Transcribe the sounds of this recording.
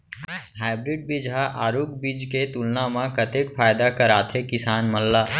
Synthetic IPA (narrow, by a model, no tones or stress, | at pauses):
ɦaːɪbɾɪɖ̚bid͡ʒɦaʔaːɾuːkbid͡ʒket̪ulnamãkɐt̪ekfʰaːjd̪akɐɾaːt̪ʰekɪsaːnmɐlːaː